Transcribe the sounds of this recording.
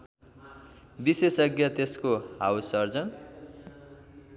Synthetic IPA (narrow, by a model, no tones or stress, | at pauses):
bisesʌɡjʌt̪eskoɦawsʌrd͡zʌn